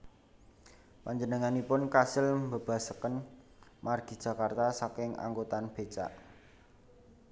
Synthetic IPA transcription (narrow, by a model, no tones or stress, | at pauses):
paɲd͡ʒənəŋanipʊnkasɪlmbə̤b̥a̤səkən | marɡ̥i̤̥d͡ʒ̥ä̤kart̪asakɪŋa̰ŋɡot̪anb̥e̤t͡ʃa̰ʔ